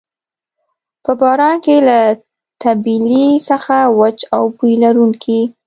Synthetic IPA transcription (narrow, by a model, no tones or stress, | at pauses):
pəbɑɾɑnkela | t̪abilisəxawat͡ʃawpujlaɾuŋkʰi